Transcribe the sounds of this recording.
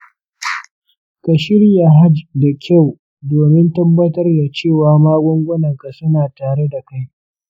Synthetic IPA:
ka˨ʃɪ˦ɽi˦a˨ɦa˦d͡ʒda˨kʲʰa˦˨w | doː˨mɪ˦ntɐ˦bːɐ˦tɐ˦rda˨t͡ʃeː˦˨waː˨maː˦ɡʷɔ˦ŋɡʷʊ˦nɐ˨ŋka˨sʊ˦naː˨taː˨ɽe˦da˨ka˦j

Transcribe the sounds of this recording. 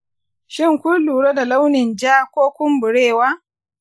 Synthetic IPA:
ʃɪ˦ŋkʷʊ˦luː˨ɽa˦da˨la˦wnɪ˨nd͡ʒaː˦kʷoː˦kʷʊ˦mbʊ˨ɽeː˦˨waː˦

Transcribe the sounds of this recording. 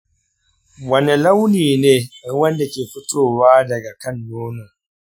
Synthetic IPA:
wɐ˨ni˨la˦wniː˨neː˦wɐ˦nda˨kʲeː˨ɸʊ˦tʰoː˦˨waː˦dɐ˨ɡa˨kɐ˦njoː˦no˨

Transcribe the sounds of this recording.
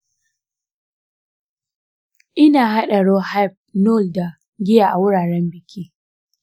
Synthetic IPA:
ʔɪ˦naː˨ɦa˦ɗa˨ɽoː˦ha˦˨p̚no˦˨lda˨ | ɡʲɪ˦ja˨ʔa˨wʊ˦ɽaː˨ɾɛ˦mbɪ˨kʲiː˦

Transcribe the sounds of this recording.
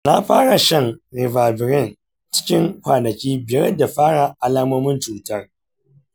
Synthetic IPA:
na˦ɸaː˦ɽa˨ʃɐ˦ŋɾɪ˨vaː˨bɪ˨ɾɪ˦n | t͡ʃɪ̥˦kʲɪ˦ŋkʷaː˨nɐ˨kʲiː˦bɪ˨˦ɛ˦da˨ɸaː˦ɽa˨ʔa˦laː˦mo˦mɪ˦nt͡ʃuː˨tɐ˦r

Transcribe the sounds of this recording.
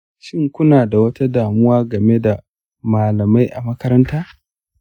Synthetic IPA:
ʃɪ˦ŋkʷʊ˦naː˨da˨wɐ˦ta˦daː˨mʊ˦waː˦ɡɐ˨me˦da˨ | maː˨lɐ˨ma˦jʔa˨mɐ˦kɐ˦ɾɐ˦ntaː˦

